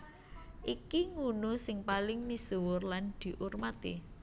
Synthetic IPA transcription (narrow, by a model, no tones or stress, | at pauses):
ʔikiŋunʊsɪŋpalɪŋmisuwʊrland̪̥i̤ʔurmat̪ḛ